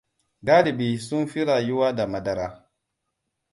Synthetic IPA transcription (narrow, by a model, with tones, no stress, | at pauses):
ɡa˦li˨bi˨su˦nfi˦ɾa˨ju˦wa˦da˨ma˨da˨ɾa˦